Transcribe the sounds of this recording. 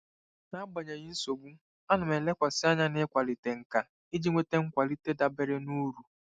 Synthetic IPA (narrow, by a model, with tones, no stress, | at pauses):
na˦ba˨ɲe˨ɣɪ˦n̩˦so˨ɡ͡bu˦ | a˦nʊ˨me˨le˦kʷa˨sɪ˦a˦ɲa˦nɪ˦kʷa˨li˨te˨ŋ̩˨ka˨ | i˦d͡ʒi˦ŋʷe˦te˦ŋ̩˦kʷa˨li˦te˦da˨be˦ɾe˦nu˦ɾu˨